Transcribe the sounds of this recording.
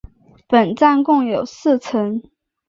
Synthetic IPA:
pə˨˩nt͡sa˥˧nkʊ˥˩ŋjo˨˩ʊs̩˥˨t͡sʰə˧˥ŋ

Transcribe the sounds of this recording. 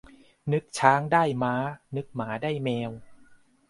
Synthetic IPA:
nɯ˦˥k̚t͡ɕʰaː˦˥ŋdaː˥˩jmaː˦˥nɯ˦˥k̚maː˩˦daː˥˩jmɛː˧w

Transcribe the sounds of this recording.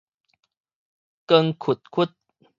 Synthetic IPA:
kə˧ŋkʰu˨˩t̪̚kʰu˦˥t̪̚

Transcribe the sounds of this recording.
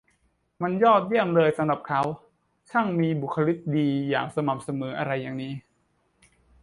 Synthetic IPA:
ma˧njɔː˥˩t̪̚ji˥˩əmlɤː˧jsa˧mɾa˨˩p̚kʰa˦˥w | t͡ɕʰa˥˩ŋmiː˧bu˨˩kʰːa˧li˦˥t̪̚diː˧ja̰ː˨˩ŋsa˧ma˨˩msa˧mɤː˩˦ʔa˧ɾa˧jːaː˨˩ŋniː˦˥

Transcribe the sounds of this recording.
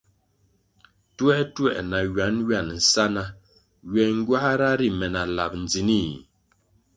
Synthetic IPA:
twɛ˦twɛ˦˨ʔna˨ɥa˨˦nɥa˦˨n˨n̩˨sa˦na˨ | ɥɛ˨ŋ̩˦ɡwa˦ha˦ɾa˦ɾi˦mɛ˨na˨la̰˨p̚n̩˨d͡zi˨ni˦˨

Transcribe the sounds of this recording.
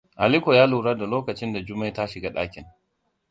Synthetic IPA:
ʔa˨li˦kʷo˨jaː˦luː˨ɾɐ˦da˨loː˦kɐ˨t͡ʃɪ˦nda˨d͡ʒʊ˦ma˦ta˦ʃɪ˨ɡa˦ɗa̰ː˦kʲɪ˨n

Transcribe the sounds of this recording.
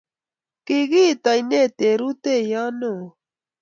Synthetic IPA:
ki˨ɣi˦˨t̪a˨jne˦˨t̪e˨ɾu˦t̪e˦˨ja˦no˦˨

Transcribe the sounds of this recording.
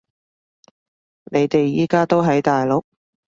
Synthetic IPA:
nʔe˨˧jt̪e˨jːiː˨˥kaː˥t̪o˥wɦɐ˨˥jt̪aː˨jlʊ˨˥k̚

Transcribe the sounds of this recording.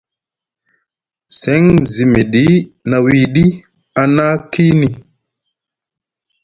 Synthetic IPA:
sɛ˨˦ŋzi˨me˨ɗi˦na˨wi˨ɗi˦ | a˨na˦ki˦ni˨

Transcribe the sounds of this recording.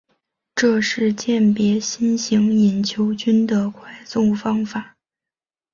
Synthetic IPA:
ʈ͡ʂɤ˥˧ʂɻ̩˥˧t͡ɕjɛ˥˩npjɛ˧˥ɕi˥nɕi˧˥ŋi˨˩nt͡ɕʰjo˧˥ʊt͡ɕy˥nd̪ə˨kʰwa˥˩ɪsʊ˥˩ŋfɑ˥ŋfa˨˩˦

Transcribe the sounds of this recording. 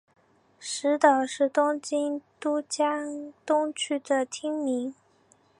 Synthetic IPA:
ʂɻ̩˧˥t̪ɑ˨˩ʊʂɻ̩˥˩t̪ʊ˥ŋt͡ɕi˥nt̪u˥t͡ɕja˥t̪ʊ˥ŋt͡ɕʰy˥d̪ə˨t̪ʰi˥ŋmi˧˥ŋ

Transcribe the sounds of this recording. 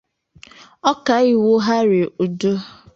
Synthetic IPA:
ɔ˦ka˨i˦wo˦ɦa˦ɾe˨u˨do˦

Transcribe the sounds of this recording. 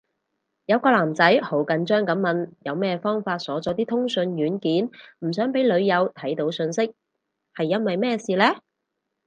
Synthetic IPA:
jɐ˨˧wkɔː˧laː˨˩mt͡sɐ˨˥jho˨˥wkɐ˨˧nt͡ʃœː˥ŋkɐ˨˥mmɐ˨˧njɐ˨˧wmɛː˥˧fɔː˥ŋfaː˧t̚sɔː˨˥t͡sɔː˨˧˥t̪̬iː˥t̪ʰʊ˥ŋsɵ˧njyː˨˥nkiː˨˥nm̩˨˩sœː˨˥ŋpe˨˥jlɵ˨˧ɥjɐ˨˧wt̪ʰɐ˨˥jt̪o˨˥wsɵ˧nsɪ˥k̚ | hɐ˨jːɐ˥nwɐ˨jmɛː˥siː˨lɛː˥

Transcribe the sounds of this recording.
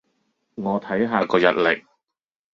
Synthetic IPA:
ŋɔː˨˧t̪ʰɐ˨˥jɦaː˧kɔː˧jɐ̰˨t̚lɪ˨k̚

